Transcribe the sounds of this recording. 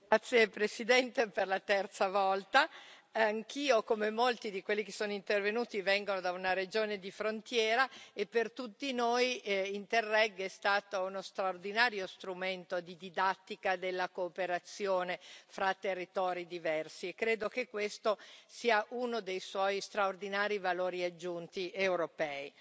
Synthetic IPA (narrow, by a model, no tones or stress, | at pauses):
ɡat̪sːjepɾesid̪ɛnt̪eperlat̪ɛrt̪savɔlt̪aaŋkiːokomemolt̪id̪ikwelːikesoːnoint̪ervenuːt̪ivɛŋɡonod̪aunaɾed͡ʒoːned̪ifɾont̪jɛːɾaepːert̪ut̪ːinoːjint̪erːɛɡːɛst̪aːt̪ounost̪ɾaord̪inaːɾjost̪ɾument̪od̪id̪id̪at̪ːikad̪elːakoːpeɾat̪sːjoːnefɾat̪ːerːit̪ɔːɾid̪ivɛrsiekːɾeːd̪okekːwest̪osiːaʔunod̪ejswɔjst̪ɾaord̪inaːɾivaloːɾiad͡ʒːunt̪iʔewɾopɛːi